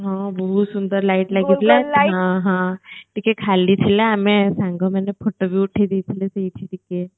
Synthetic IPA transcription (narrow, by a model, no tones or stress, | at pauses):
ɦãbəɦut̪sund̪əɾlaiʈlaɡit̪ʰlaɦãɦãʈikekʰalit͡ʃʰileamẽsãŋɡəmɛnepʰoʈobʱiuʈʰed̪iːt͡ʃʰilesɐɦit͡ʃʰiʈike